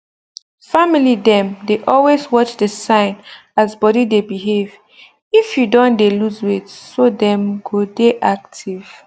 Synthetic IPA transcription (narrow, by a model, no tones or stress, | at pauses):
familidɛ̃mdeʔɔlwezwɔt͡ʃdəsãɪ̃nazbɔɾidebiɦev | ifjudɔ̃ndeluzwetsodɛ̃mɡodeʔak̚tʰiv̥